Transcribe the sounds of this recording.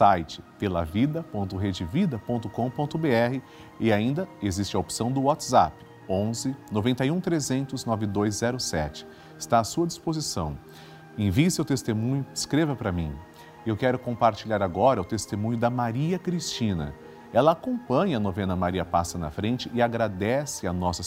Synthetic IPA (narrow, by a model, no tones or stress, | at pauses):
sajt͡ʃɪ̥pelɐ̰vid̪ɐpõnt̪ʊɦed͡ʒɪvid̪ɐpõnt̪ʊkõw̃põnt̪ʊbeɛɦɪ | ɪaĩnd̪ɐezist͡ʃɪɐopsɐ̃w̃d̪ʊwat̪za̰pɪ̥ | õzɪnovẽnt̪ɐjũt̪ɾezẽnt̪ʊznɔvɪd̪ojzzɛɾʊsɛ̰t͡ʃɪ̥ | ɪst̪aːsuɐd͡ʒispozisɐ̰̃w̃ | ẽvisewt̪est̪emũɲʊɪskɾevɐpɾɐmĩ | ewkɛɾʊkõpaɾt͡ʃiʎaɾaɡɔɾɐʊt̪est̪emũɲʊd̪ɐmaɾiɐkɾist͡ʃĩnɐ̰ | ɛlɐakõpɐ̃ɲɐɐnovẽnɐmaɾiɐpasɐnɐ̰fɾẽnt͡ʃɪʔɪaɡɾad̪ɛsɪɐnɔsɐ